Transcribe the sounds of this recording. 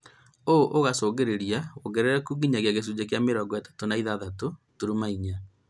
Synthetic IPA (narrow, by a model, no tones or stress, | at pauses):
oʔoɣasoːɣeɾeɾiaoɣɛɾeɾɛkuɡiɲaɣeaɣes̬ud͡ʒek̬jameɾɔɡwɛtḁtonaiðaðatotoɾumaiɲa